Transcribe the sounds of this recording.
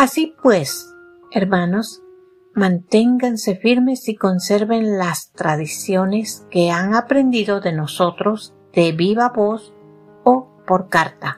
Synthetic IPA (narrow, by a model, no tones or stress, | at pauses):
asipwes | eɾmano̞s | mãnt̪e̞ŋɡanse̞fiɾme̞siko̞nse̞ɾβe̞nlast̪ɾaðisjo̞ne̞ske̞aŋapɾe̞nd̪iðoðe̞no̞so̞t̪ɾo̞z | d̪̥e̞βiβaβo̞s | o | po̞ɾkaɾt̪a